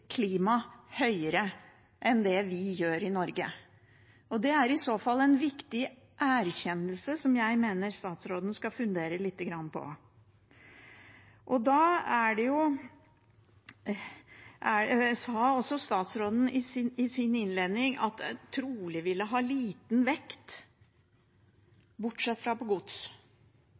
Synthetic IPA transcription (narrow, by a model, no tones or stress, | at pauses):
kʰliːmɑhœʏəɾə | ʔɛnd̪ɛʋɪjøːɾɪnɔɾɡə | ɔd̪ɛæɾɪsoːfɑlːɛnʋɪkt̪ɪ | ʔæːɾçɛnːəlsəsɔmjæɪmeːnəɾst̪ɑːt̪sɾoːd̪n̩skɑfʉnd̪eːɾəlɪt̪ːəɡɾɑnːəpʰɔ̰ | ʔɔd̪ɑːæɖɛjʊ | ʔæsɑɔsɔst̪ɑːt̪sɾoːd̪n̩ɪsɪnɪsɪnɪnleːd̪nɪŋɑt̪t̪ʰɾuːlɪʋɪlːəɦɑːliːt̪n̩ʋɛkt̪ | bʊʈʂɛt̪ːfɾɑpɔɡʊd̪s